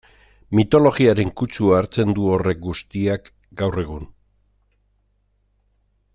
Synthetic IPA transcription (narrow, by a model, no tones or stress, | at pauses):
mit̪o̞lo̞ɣiaɾe̞ŋkut͡suaːɾt͡se̞nd̪uo̞re̞k̚ɡust̪iak | ɡawre̞ɣ̞un